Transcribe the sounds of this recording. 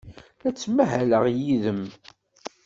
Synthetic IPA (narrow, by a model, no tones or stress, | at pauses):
æt͡sːmæɦæləʁjiðəm